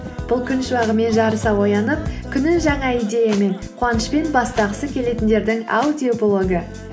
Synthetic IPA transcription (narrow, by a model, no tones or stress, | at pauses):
b̥ʊlˠkʲʰʏnʃəwɑʁəme̞nʒɑɾəsɑwo̞jɑnəp̚kʲʰʏnɪnʒɑɴɑijd̪ʲe̞jame̞ɴ | qʰuɑnəʃpe̞nbɑst̪ɑʁəsəkʲʰe̞le̞t̪ɪnd̪e̞ɾd̪ɪŋa̰wd̪ʲiopolˠo̞ɡə